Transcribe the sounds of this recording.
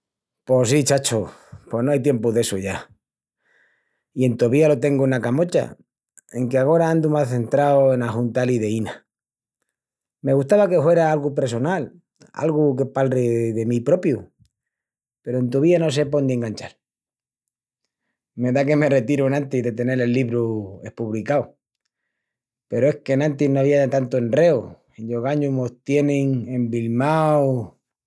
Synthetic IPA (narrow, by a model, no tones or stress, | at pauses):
po̞sit͡ʃat͡ʃopo̞noajt̪je̞mpuðe̞suʝa | ie̞nt̪oβialo̞t̪e̞ŋɡuenakamo̞t͡ʃa̰ | e̞ŋkeaɣ̞o̞ɾaand̪umaθe̞nt̪ɾaoe̞naxunt̪aliðeina | me̞ɣust̪aβake̞fwe̞ɾaalɣupeɾs̬o̞nal | a̰lɣukepalreðe̞mipɾo̞pju | pe̞ɾoe̞nt̪uβ̞iano̞s̬e̞po̞nd̪eŋɡant͡ʃal | me̞ðake̞me̞re̞t̪iɾunãnt̪iðe̞t̪e̞ne̞ɾe̞lːiβɾue̞hpuβlikaw | pe̞ɾoe̞hke̞nãnt̪inoaβiat̪ant̪oenre̞u | eʎoɣaɲuɦmot̪je̞nẽŋe̞mbilmaw